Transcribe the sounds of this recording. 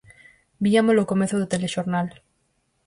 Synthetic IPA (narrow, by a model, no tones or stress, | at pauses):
biamolokomeθoðet̪eleʃoɾnal